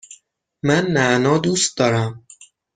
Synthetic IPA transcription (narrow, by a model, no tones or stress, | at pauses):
mænːæʔnɒːd̪uːst̪̚d̪ɒːɾæm